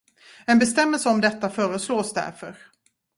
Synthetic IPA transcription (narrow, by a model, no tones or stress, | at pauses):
ɛnbɛst̪ɛmːɛlsəɔmd̪ɛt̪ːafœːɾəsloːsd̪æ̰ɾfœɾ